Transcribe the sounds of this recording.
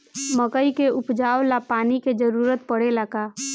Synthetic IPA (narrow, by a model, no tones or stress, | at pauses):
məkəikeʔʊpd͡ʒaːʋlapaːniked͡ʒəɾuːɾət̪̚pəɽelaka